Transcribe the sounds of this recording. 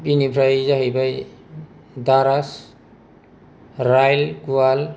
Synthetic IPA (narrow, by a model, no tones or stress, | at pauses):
binipʰɾajzaɦɯjbaj | daɾas | ɾajlɡual